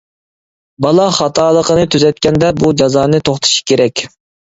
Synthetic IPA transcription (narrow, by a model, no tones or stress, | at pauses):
bɑlˠɑχɑt̪ʰɑːlˠəqənɨt̪ʰyzɛt̪̚kʲɛnd̪ɛbud͡ʒɑzɑːnɨt̪ʰoχt̪ʰɨ̥ʃi̥kʲʰeɾɛkʲ